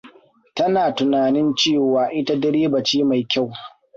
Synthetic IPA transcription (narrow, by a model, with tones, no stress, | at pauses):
tɐ˦naː˨tʊ˨naː˨nɪ˦nt͡ʃeː˦˨waː˨ʔɪ˦ta˦dɪ˦ɽeː˦bɐ˨t͡ʃiː˦ma˨jkʲa˦˨w